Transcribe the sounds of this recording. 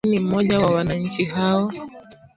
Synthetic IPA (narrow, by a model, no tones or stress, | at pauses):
nim̩mɔʄawawanaɲ̩t͡ʃiɦaɔ